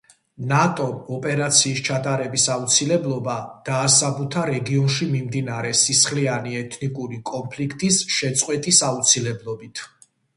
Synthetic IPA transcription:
nat̪ʼɔɔpʼɛɾat̪sʰiːst͡ʃʰat̪ʼaɾɛbisaut̪sʰilɛblˠɔbad̪̥aːsabut̪ʰaɾɛɡiɔnʃimimd̪inaɾɛsisχlianiɛt̪ʰnikʼuɾikʼɔmpʰlikʰt̪ʼisʃɛt̪sʼqʼwɛt̪ʼisaut̪sʰilɛblˠɔbit̪ʰ

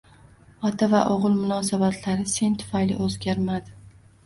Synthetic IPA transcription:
ɒt̪ʰavaʔoʁɨlˠmʊnɒs̬abat̪ʰlaɾɪse̞nt̪ʰʊ̥fajlɪ̰ʔɵzɡʲaɾmad̪ɪ

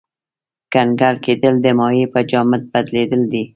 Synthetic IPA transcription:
kanɡaɾked̪əld̪əmɑjepəd͡ʒɑmət̪̚bad̪led̪əld̪i

